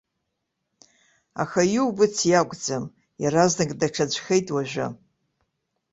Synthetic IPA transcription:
a̰xajuwbɨt͡sʰjaɡʷd͡zam | jaɾaznɨkʼdaʈ͡ʂʰad͡ʒʷʼxejtʼwaʒʷᶣʊ̰

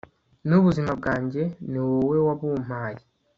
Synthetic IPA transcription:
nuβuzimab̚ɡaːɲɟe̞niwowe̞waβuːm̥aːji

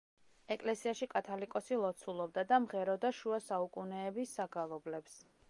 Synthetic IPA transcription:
ɛkʼlɛsiaʃikʼat̪ʰalikʼɔsilˠɔt̪sʰulˠɔb̚d̪ad̪amʁɛɾɔd̪aʃuasaukʼunɛːbisːaɡalˠɔblɛps

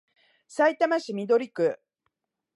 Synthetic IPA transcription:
sait̪amaɕimʲid̪o̞ɾʲikɯ̟

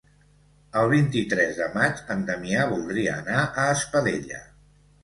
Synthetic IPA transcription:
əlˠβ̞int̪it̪ɾɛzðəmad͡ʒənd̪əmiaβulˠd̪ɾiəːnaʔəːspəðeʎə̰

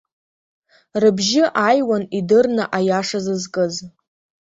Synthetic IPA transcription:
rɨbʒɪʔajwanidɨrnɨʔajaʂazɨzkʼɨz

